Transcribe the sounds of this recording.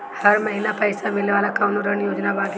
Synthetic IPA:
hɐɾmɐɦinapɐɪsamɪlneʋaːlakaːnoɾənjoːd͡ʒnabaːɡ

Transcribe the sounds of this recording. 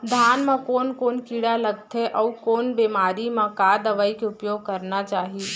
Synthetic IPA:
d̪ʱaːnmẽkoːnkoːnkiɽaləɡ̚t̪ʰeʔɔukoːnbeːmaːɾimãkad̪əʋəikeʊpjoːɡ̚kəɾnat͡ʃaːɦi

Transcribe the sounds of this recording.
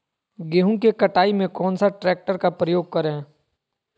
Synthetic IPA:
ɡeːɦũkekɐʈaːimẽkɔːnsaʈɾɛːk̚ʈəɾkapɾəjoːɡ̚kɐɾɦẽː

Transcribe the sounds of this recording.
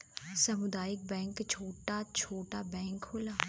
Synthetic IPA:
səmʊd̪aːɪk̚bɛ̃ːŋkt͡ʃʰoːʈaːt͡ʃʰoːʈaːbɛ̃ːŋkhoːlaː

